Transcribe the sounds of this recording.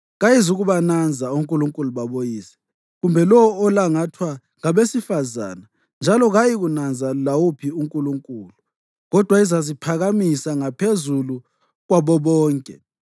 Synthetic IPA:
ɣajizuɣuβanand͡zʱauŋkʼuluŋkʼuluβaβojiːsɛ̥ | ɣumbʱɛlɔɔːlaŋatʰwa | ŋaβesifaza̰ːna | nd͡ʒʱalɔɣajiɣunand͡zʱalawupʰiuŋkʼuluŋkʼuːlu | ɣɔd̥ʱwaizazipʰaɣamisaŋapʰezulu | ɣwaβɔβɔːŋkʼɛ

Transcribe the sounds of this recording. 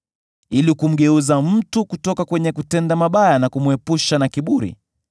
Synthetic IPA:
ilikum̩ɡɛuzam̩tukutɔkakwɛɲɛkutɛndamaɓajanakumuɛpuʃanakiɓuɾḭ

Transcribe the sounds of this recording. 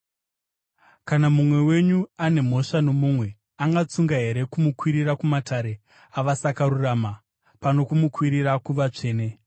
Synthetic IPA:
kanamumwe̞we̞ɲuane̞m̤o̞ʂano̞mumwe̞ | aŋɡat͡suŋɡaɦe̞ɾe̞kumukwiɾirakumatʰaɾe̞ | aʋasakaɾuraːma | pano̞kumukwiɾirakuʋat͡ʂe̞ːne̞

